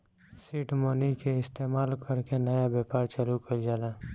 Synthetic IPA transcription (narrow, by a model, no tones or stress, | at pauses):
siʈmonikeɪst̪eːmaːlkʰəɾkenəjabjaːpaːɾt͡ʃəlukəld͡ʒala